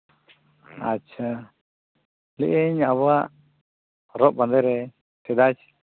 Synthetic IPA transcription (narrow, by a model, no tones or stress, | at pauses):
at͡ʃʰa | lɛʔeɲaβaʔ | ɾɔʔ̚band̪ɛɾɛ | t̪ɛd̪at͡ʃ